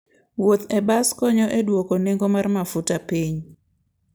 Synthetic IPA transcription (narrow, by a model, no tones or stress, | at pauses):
wot̪ebaskɔɲɔʔedwokoneŋɡomarmafutapiɲ